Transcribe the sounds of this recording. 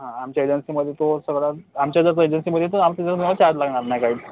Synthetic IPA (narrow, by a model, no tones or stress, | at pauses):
ɦãamt͡ɕjaed͡ʑənsiːməd̪ʱːjet̪osəɡɽaamt͡ɕjad͡zəɾt͡səed͡ʑənsiməd̪ʱːjet̪əamt̪ed͡zəɾnɔt͡ɕad͡zlaɡɳaɾnajkaɦiː